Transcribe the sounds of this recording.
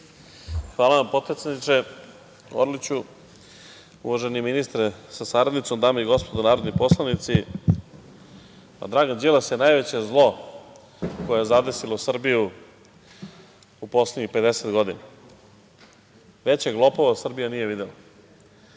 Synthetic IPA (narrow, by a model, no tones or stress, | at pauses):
xʋaːlaʋampo̞d̪̚pɾet̪ed̪nit͡ʂe | o̰ɾlit͡ɕu | ṵʋaʒeniminist̪ɾesasaɾad̪nit̪o̞md̪amaiɡo̞spo̞d̪onaːɾod̪nipo̞slˠanit̪si | pa̰d̪ɾaːɡand͡ʑilasjenajʋet͡ɕezlˠo̞ | ko̞jejezad̪e̞silo̞sr̩biju | upo̞sleɲixpe̞d̪e̞set̪ɡo̞d̪ina | ʋe̞t͡ɕeɡlˠo̞po̞ʋasr̩bijanije̞ʋid̪ela